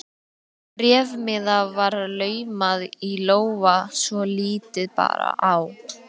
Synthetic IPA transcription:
ɾjɛːvmɪðavaɾlœːɥmaðiloːwvasvɔliːt̪ɪðpa̰ːɾa̰ʔaw

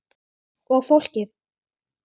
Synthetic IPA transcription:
ɔɣfowl̥cɪθ

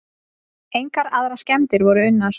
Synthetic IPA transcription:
ejŋkaɾaðɾascɛmt̪ɪɾvɔɾʏʏnːaɾ̥

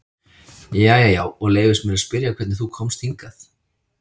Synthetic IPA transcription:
jajajaːwɔɣleːjvɪst̪mɛɾaspɪɾjakʰvɛt̪nɪθukʰɔmst̪hiŋkaθ

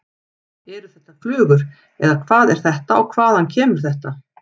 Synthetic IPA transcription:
ɛɾʏθɛht̪ːaklʏːɣʏɾ | ɛðakʰvaːðɛɾ̥θɛht̪aɔwkʰvaːðhancʰɛːmʏɾ̥θɛht̪a

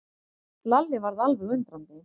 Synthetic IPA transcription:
lalːɪvaɾðalvɛɣʏnt̪ɾant̪ɪ

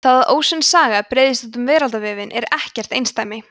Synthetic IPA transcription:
θaːðaðʔo̰ːwsʏnsaːɣapɾeːjðɪst̪ɔt̪ʏmvɛːɾalt̪avɪːvɪnʔɛɾɛhcɛr̥t̪ejnst̪aːjmɪ

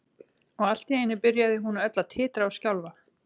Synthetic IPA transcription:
ɔɣal̥t̪ieːjnːɪpɪɾjaðɪɦunœt̪lat̪ʰɪːt̪ɾaawscawlva

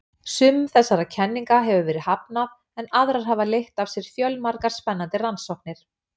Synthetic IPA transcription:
sʏmθɛsːaɾacʰɛnːiŋkaɦɛvʏvɛːɾɪhapnað | ɛnaðɾaɾ̥ɦavalejht̪avsjɛɾ̥fjœlmaɾkaɾ̥spɛnːant̪ɪransɔhk̚nɪɾ̥

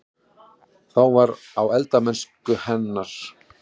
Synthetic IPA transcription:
θawvaɾ | awɛlt̪amɛnskʏhɛnːaɾ̥

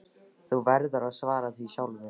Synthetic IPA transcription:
θuvɛɾðaɾaðsvaːɾaθviɕjaːwlvɪ

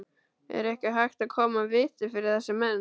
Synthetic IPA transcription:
ɛ̰ɾɛhcɪɦajxt̪aðkʰɔːmavɪːt̪ɪfɪɾɪɾ̥θɛsːamɛn

